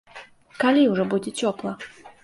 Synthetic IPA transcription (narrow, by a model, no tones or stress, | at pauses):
kalʲiwʐɔbud͡zʲɛt͡sʲɔplˠɐ